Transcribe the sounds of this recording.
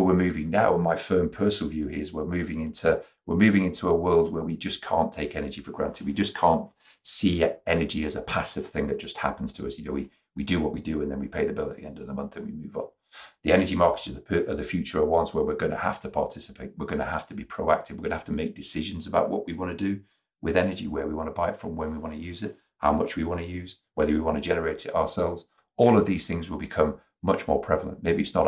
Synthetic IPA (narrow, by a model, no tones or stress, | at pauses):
əwɪɹmʉːvɪ̃ŋnaʊə̃nmaɪfɜ̃˞mpʰɜˑ˞sl̩ˠvjʉhɪɹzwɪmʉvɪ̃ŋɪ̃ntʰu | wɪɹmʉːvɪ̃ŋɪ̃ntʰuəwɜ˞lˠd̚wə˞wid͡ʒʌskʰɑ̰̃ˑntʰeɪkɛnəd͡ʒifə˞ɡɹã̰ntʰɪd̚wid͡ʒʌskʰɑ̃ˑnʔ | siɛnəd͡ʒiɨzəpʰasɪv̥θɪ̃ŋðɨt̚d̥ʒ̥ʌst̚ha̰pn̩z̥tʰəʌsjɨnoʊwi | widɨwʌʔwidɨə̃nðə̃nwipʰeɪðəbɪlˠəɾtḭɛ̰̃ndəvðəmʌ̃nθə̃nwḭmʉːvn̩ | ðiɛnəd͡ʒimɑɹkɨ̥tʌvðəpʔʌvðɨfjʉt͡ʃə˞əwɑ̃nswə˞wɪɹɡʌ̃nəha̰ftəpʰɑ̰ɹtʰɪsɨ̥pʰeɪʔ̚wɪɹɡʌñəhaftəbipʰɹ̥oʊa̰k̚tʰɪɨvwɨɹɡʌ̃nəhaftəmeɪk̚d̥ɨsɪʒɨ̃nzəbaʊʔwʌʔwiwɑ̃nɨdɨ | wɪðɛnəd͡ʒḭwə˞wiwɑ̃nəbaɪɪtfɹə̃mwə̃nwiwɑ̃ñɨjʉːzɪt̚ | ha̰ʊmʌt͡ʃwiwɑ̃ñɨjʉːz̥ | wɛðə˞wiwɑ̃ñɨd͡ʒɛnə˞eɪɾɪa̰ʊəsɛlˠvz̥ | ɔːlˠʌvðiz̥θɪ̃ŋzwəlˠbɨkʰʌ̃m | mʌt͡ʃmɔ̰ɹpʰɹ̥ɛvl̩ˠə̰̃nʔmeɪbiɨtsnə̰ɾ